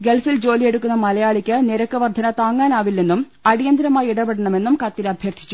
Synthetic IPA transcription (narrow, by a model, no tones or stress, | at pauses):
ɡe̞lfild͡ʑo̞ːlije̞ɽukːunːɐmɐlɐjaːɭikʲːɨneɾɐkːɨʋɐrd̪ʱɐnɐt̪aːŋːaːnaːʋilːenːum | ɐɽijɐnd̪ɾɐmaːjiɽɐpeɽɐɳɐme̞nːumkɐt̪ːilɐbʱjɐrt̪ʰi̥t͡ɕːu